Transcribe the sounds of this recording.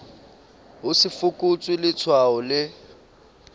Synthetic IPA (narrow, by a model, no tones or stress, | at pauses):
ɦʊsɪfʊkʼʊt͡sʼwɪlɪt͡sʰwaɔlɪ